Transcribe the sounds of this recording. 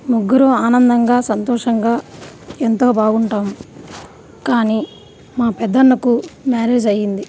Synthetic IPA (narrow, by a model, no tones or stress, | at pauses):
muɡːuɾoaːnɐnd̪ɐŋɡaːsɐnt̪ɔːʂɐŋɡaːent̪o̞ːbaːɡuɳʈaːmu | kaːniː | maːpɛd̪ːɐnːɐkumaːɾe̞ːd͡ʒɐjːind̪i